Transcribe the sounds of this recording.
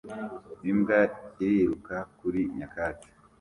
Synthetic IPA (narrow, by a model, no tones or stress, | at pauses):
nimɡaiɾiɾukakuɾiɲakaːti̥